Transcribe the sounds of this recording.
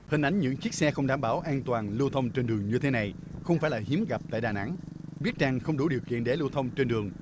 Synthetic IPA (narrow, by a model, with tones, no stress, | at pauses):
hï˨˩n̟ʔa˨˦jŋ̟ɲɨ̰˧˥ŋt͡ɕi˦˥ək̚sɛ˧xə˧wŋ͡mɗaː˧˩˦mɓaː˧˩wʔaː˧nt̪waː˨˩nlɨ˧t̪ʰə˧wŋ͡mt͡ɕe˧nɗɨ˨˩əŋɲɨ˧t̪ʰe˨˦na˨˩j | xə˧wŋ͡mfaː˧˥˩jlaː˨˩hi˨˦əmɣa˨˩p̚t̪a̰ː˧˨jɗaː˨˩na̰˧˥ŋɓi˦˥ət̚t͡ɕaː˧ŋxə˧wŋ͡mɗu˧˩ɗi˨˩əwkḭ˧˨ənɗe˨˦lu˧wt̪ʰə˧wŋ͡mt͡ɕe˧nɗɨ˨˩əŋ